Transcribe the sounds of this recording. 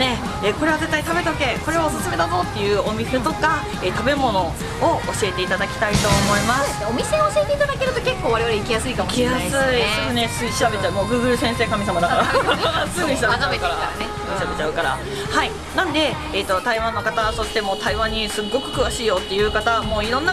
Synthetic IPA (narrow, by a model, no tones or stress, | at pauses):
ne̞ | eko̞ɾe̞βaze̞t̪ːait̪abe̞t̪oke̞ko̞ɾe̞osɨsɨme̞d̪abo̞ːt̪ːe̞jɯ̟ːo̞mʲise̞t̪o̞ka | et̪abe̞mo̞no̞ | ooɕie̞t̪e̞it̪ad̪akʲi̥t̪ait̪o̞ːmo̞imaseseomʲise̞ooɕiet̪e̞it̪ad̪ake̞ɾɯ̟t̪o̞ke̞kːo̞ːβaɾeβaɾeikʲijasɨikamikijasɨisokɯ̟nesɨɕiɾabe̞t͡ɕaɯ̟moːɡɯ̟ːɡɯ̟ɾɯ̟sẽ̞ɰ̃se̞ːkamʲisamad̪akaɾasɨɲĩɕiɾab̪aekaɾaaanesɨɲiɕiɾabe̞t͡ɕaɯ̟kaɾa̰ | hai | nãnd̪e̞ː | t̪ːo̞t̪aiβãnːo̞kat̪aso̞ɕi̥t̪e̞moːt̪aiβãɲ̟ːisɨɡːo̞kɯ̟̥kɯ̟βaɕiːjo̞t̪ːe̞jɯ̟ːkat̪aβamo̞ːiɾõ̞nːa